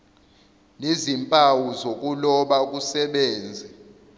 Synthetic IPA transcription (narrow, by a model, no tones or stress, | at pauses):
nezimpʼawuzok̬ʼulɔɓak̬ʼusɛɓɛːnd͡zʱɛ